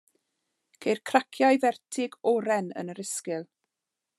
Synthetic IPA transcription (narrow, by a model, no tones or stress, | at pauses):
kʰejrkʰrakʰjajvɛrtʰɪɡɔɾɛnə̰nəɾɪskɪlˠ